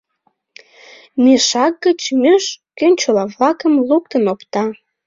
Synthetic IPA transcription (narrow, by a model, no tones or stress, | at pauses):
meʃɑk̚ɡət͡ɕmøʃkønʲt͡ɕolɑβlɑkəmluk̚t̪ənopt̪ɑ